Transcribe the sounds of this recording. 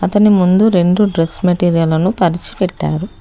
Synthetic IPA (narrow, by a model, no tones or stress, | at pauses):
ɐt̪ɐnimund̪uɾe̞ɳɖuɖɾesmɐʈiːɾijɐlɐnupɐɾit͡ʃi̥pɛʈːa̰ːɾu